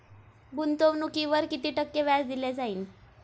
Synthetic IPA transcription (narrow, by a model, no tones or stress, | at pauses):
bunt̪oʋnukiʋəɾkit̪iːʈəkːjeʋjad͡zd̪iled͡zaiːn